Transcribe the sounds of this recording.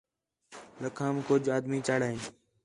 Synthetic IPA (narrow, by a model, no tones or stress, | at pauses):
ləkʰaːmkʊd͡ʒʱaːd̪mĩːt͡ʃaːɽaːɦĩːn